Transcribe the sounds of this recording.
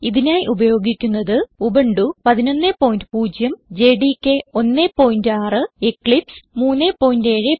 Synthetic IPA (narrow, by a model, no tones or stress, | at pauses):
iðinaːjiʔubɐjo̞ːɡikʲːunːɐðɨubɐɳɖupɐðino̞nːepːo̞ːjndɨpuːd͡ʑjɐmd͡ʑeːɖikʲːeo̞nːepːo̞ːjindaːrɨekːɭipsmuːnːepːo̞ːjinde̞ːɻɨ